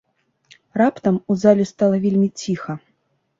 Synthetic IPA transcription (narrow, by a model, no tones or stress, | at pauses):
rapt̪ɐmuzalʲust̪alˠɐvʲelʲmʲit͡sʲixɐ